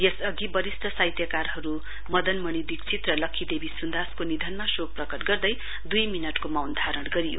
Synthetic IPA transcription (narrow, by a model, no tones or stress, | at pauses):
jesʌɡibʌɾist̪ʰʌsajt̪jʌkarhʌɾu | mʌd̪ʌnmʌɽ̃id̪ikt͡sʰit̪rʌlʌkʰːid̪ebisund̪askonid̪ʱʌnmasok̚prʌkʌʈɡʌrd̪ʌj | d̪ujminʌʈkomawnd̪ʱaɾʌɽɡʌɾijo̰